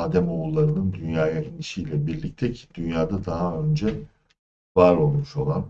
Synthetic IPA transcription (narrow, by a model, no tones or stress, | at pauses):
aːd̪æmoulˠːaɾɯnɯnd̪ynjaːjainiʃiːlʲɛbiɾlʲic̚t̪ʰɛcʰi̥d̪̥ynjaːd̪ad̪aɦaø̞nd͡ʒɛ | vaɾo̞lˠmuʃo̞lˠan